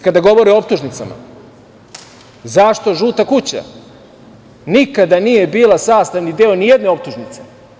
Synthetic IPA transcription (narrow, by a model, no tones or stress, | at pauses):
kad̪aɡo̞ʋo̞ɾioop̚t̪uʒnit̪sa̰ma̰ | zaʃt̪o̞ʒuːt̪akut͡ɕa̰ | nikad̪anije̞biːlˠasaːst̪aʋnid̪eo̞nijed̪neo̞p̚t̪uʒnit̪se